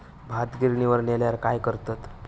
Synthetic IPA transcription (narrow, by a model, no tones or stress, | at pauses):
bʱat̪ɡiɾniʋəɾɳeljaɾkajkəɾt̪at̪